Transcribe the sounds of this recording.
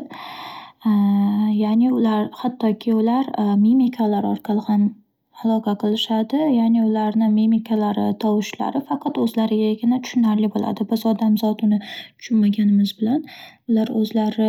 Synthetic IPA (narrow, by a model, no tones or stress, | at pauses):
janɪʊlaɾhat̪ʰːɒkʲʰɪʊlaɾmimikʰalaɾɒɾqʰɑlˠɪhan | alˠɒqʰɑqʰɨlˠɪʃad̪ɪjanɪʊlaɾnɪmemikʰalaɾɪt̪ʰɒwɪʃla̰ɾɪfɑqʰɑt̪ɵzlaɾɪɡʲaɡʲɪnat̪ʰʊ̥ʃʊnaɾlɪbola̰d̪ɪbɪzɒd̪amzɒt̪ʊnɪt̪ʰʊ̥ʃʊnmaɡʲanɪmɪzbɪlanʊlaɾɵzlaɾɪ